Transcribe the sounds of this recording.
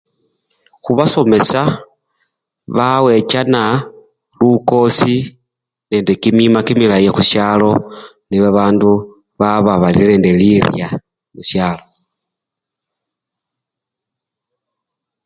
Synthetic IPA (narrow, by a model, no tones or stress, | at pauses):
xuβaso̞me̞sa | βawe̞t͡ʃana | luko̞si | ne̞ːndekimimakimilajexuʃjalo̞ | niβaβaːndu | βaβaβalḭne̞ːndeliɾja | muʃjaːlo̞